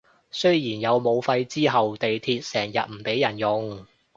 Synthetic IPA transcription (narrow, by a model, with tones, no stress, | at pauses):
sɵ˥ɥjiː˨˩njɐ˨˧wmo˨˧wfɐ˧jt͡siː˥ɦɐ˨wt̪e˨jt̪ʰiː˧t̚sɛː˨˩ŋjɐ˨t̚m̩˨˩pe˨˥jɐ˨˩njʊ˨ŋ